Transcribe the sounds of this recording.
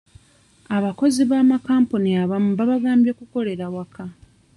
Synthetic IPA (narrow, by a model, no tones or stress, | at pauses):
aβako̞ziβamakaːmpuniaβamuβaβaɡaːmbjekuko̞le̞ɾawakʰa